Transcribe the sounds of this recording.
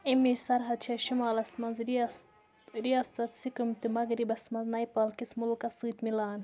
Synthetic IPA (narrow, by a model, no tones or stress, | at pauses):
imisɐɾɦɐd̪̚t͡ʃʰɐʃimaːlɐsmɐnzɾi | ɾijaːsɐt̪sikumt̪imɐɡɾibɐsmɐnznɐjpɐːlkismulkɐsɨːt̪milaːn